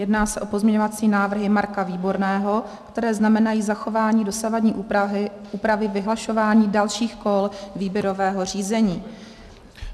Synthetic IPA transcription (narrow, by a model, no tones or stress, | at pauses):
jɛdnaːsɛʔopo̞zmɲɛɲovat͡siːnaːvr̩ɦɪmaɾkaviːbo̞ɾnɛːɦo̞ | kt̪ɛɾɛːznamɛnajiːzaxo̞vaːɲiːdo̞savadɲiːʔʔuːpɾavɪvɪɦlaʃo̞vaːɲiːdalʃiːxko̞lviːbjɛɾo̞vɛːɦo̞riːzɛɲiː